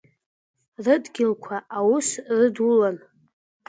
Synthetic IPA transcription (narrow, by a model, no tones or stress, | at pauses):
rɨdʼɡʲɪlkʷʰaawusrɨdulan